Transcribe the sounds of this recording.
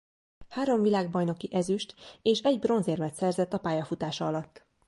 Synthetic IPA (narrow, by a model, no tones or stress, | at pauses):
haːɾo̞ɱvilaːɡbɒjno̞kiʔɛzyʃt̪eːʃɛɟbro̞nzeːrmɛt̪sɛrzɛt̪ːɒpaːjɒfut̪aːʃɒɒlɒt̪ː